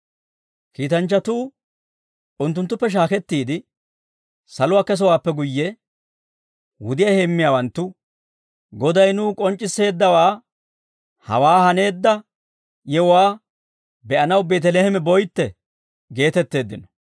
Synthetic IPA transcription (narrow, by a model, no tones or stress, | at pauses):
kiːt̪ɐnt͡ʃːɐt̪uː | ʊnt̪ːʊnt̪ːʊpːɛʃ̬aːkɛt̪ːiːd̪ɪ | sɐlʊwaːkɛs̬ɔwaːpːɛɡʊjːɛ | wʊd̪ɪjɐhemːɪjaːwɐnt̪ːʊ | ɡɔd̪ɐjnuːkʼɔnt͡ʃʼːɪsːe̞ːd̪ːɐwaː | hɐ̰waːhɐne̞ːd̪ːɐ | jɛɔwaː | bɛʔɐnɐwbe̞ːt̪̬ɛleːhɛmɛbɔjt̪ːɛ | ɡe̞ːt̪ɛt̪ːe̞ːd̪ːɪnɔ̥